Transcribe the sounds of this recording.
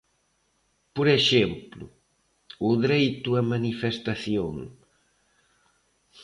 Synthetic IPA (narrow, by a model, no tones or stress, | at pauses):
poɾeʃemplʊ̰ | ʊðɾejt̪ʊɐmanifest̪aθjoŋ